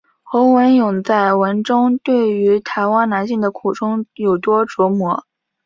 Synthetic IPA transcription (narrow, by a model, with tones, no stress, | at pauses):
xo˧˥ʊwə˧˥njʊ˨˩ŋt͡sa˥˩ɪwə˧˥nʈ͡ʂʊ˥ŋt̪we˥˩ɪy˧˥t̪ʰa˧˥ɪwa˥nna˧˥nɕi˥˩ŋd̪ə˩kʰu˨˩ʈ͡ʂʰʊ˥ŋjo˨˩ʊt̪wɔ˥ʈ͡ʂwɔ˧˥mwɔ˧˥